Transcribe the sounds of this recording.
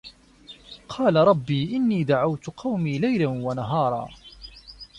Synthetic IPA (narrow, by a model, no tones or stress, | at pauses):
qʰɑːlaɾˤɑbːiːʔɪnːiːd̪aʕawt̪qʰɑwmiːlajlanwanaɦɑːɾˤɑ̰ː